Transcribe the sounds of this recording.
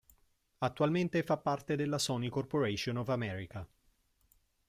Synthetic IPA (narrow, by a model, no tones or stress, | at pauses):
at̪ːualment̪efapːart̪ed̪elːasɔnikorpoɾeʃonɔvamɛɾika